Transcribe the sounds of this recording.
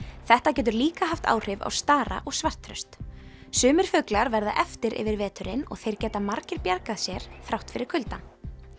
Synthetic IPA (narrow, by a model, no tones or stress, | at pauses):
θɛht̪acɛːt̪̬ʏɾliːkaɦaft̪a̰ːwr̥ɪva̰wst̪aːɾa̰ʔɔɣsvar̥t̪ʰɾœst̪ | sʏːmɪɾ̥fʏklaɾvɛɾða̰ʔɛft̪ɪɾʔɪ̰vɪɾvɛːt̪ʏɾɪnɔ̰ɣθejɾ̥cɛːt̪amaɾcɪɾpjaɾkaðsjɛɾ̥θɾawht̪fɪɾɪɾ̥kʰʏlt̪a